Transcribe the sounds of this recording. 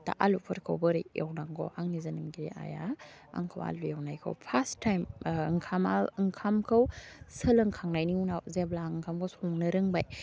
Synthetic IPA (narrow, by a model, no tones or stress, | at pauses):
ta̰ʔalupʰɐɾkʰawbəɾɯ̰ḛwnaŋɡɔ̰ʔaŋnizɐnɯmɡiɾḭʔa̰ja | a̰ŋkʰawa̰lujawnajkʰa̰wpʰastːajmŋkʰamalɯŋkʰamkʰɐwsəlɐŋkʰaŋnajniunawzeblaŋkʰamkʰawsɔŋnɯɾɯŋbaj